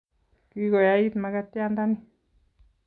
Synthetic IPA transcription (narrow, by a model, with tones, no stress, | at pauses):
ki˦ko˨ja˦i˦t̪ma˧ka˦t̪ja˦nd̪a˦ni˦